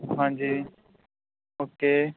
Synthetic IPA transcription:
ɦãːɲd͡ʒiː | ɦoːkeː

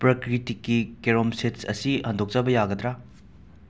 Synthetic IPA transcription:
pɾɐkɾitikːikeɾomsetsɐ̰sihɐndʱok̚t͡ʃabɐjaɡɐd̪ɾa

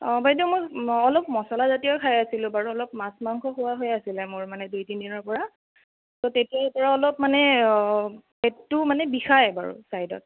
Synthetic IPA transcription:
bajtimojɔlɔpmɔsɔlazatijɔkʰajasilʊ̃baɹuɔlɔp̚masmaŋkʰɔxʊwaɦojasilɛmʊɹmanɛdujtindinɔɹpɔɹa | totetijapɔɹaɔlɔpmanɛ | ɛtːumanɛbixajba̰ɹṵsajdɔ̰t̚

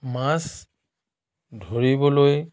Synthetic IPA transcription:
mãs | dʱoɹibɔloj

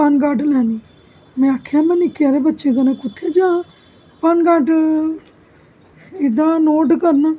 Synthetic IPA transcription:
panɡaːʈlɛːni | mɛ̃ːaːkʰeãːmənikeɾebətːt͡ʃẽkənẽkʊt̪ʰːeːd͡ʒãː | panɡaːʈ | ɪd̪ãːnoːʈkəɾn

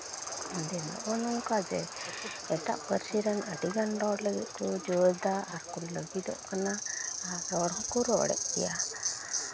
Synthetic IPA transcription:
d̪ɛnɔ̰ʔɔnɔŋkad͡ʒɛ | ɛʈa̰ʔpəɾsiɾanəɖiɡanɖɔɽləɡɛʔ̚kɔd͡ʒɔd̪aaɾkɔnləɡid̪ɔ̰ʔkanaː | ɔɽɔkɔɾɔ̰ɽɛ̰ʔ̚kɛ̰ja

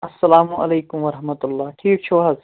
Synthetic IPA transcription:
ɐsːɐlaːmuʔɐ̰leːkʊmʋɐɾɐɦmɐt̪ʊlːaːʈʰiːk̚t͡ʃʰoɦaz

